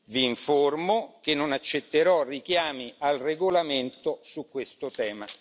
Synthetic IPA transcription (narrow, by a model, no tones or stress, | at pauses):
viːɱformokenːonat͡ʃːet̪ːeɾɔrikjaːmiʔalreɡolament̪osukːwest̪ot̪ɛːma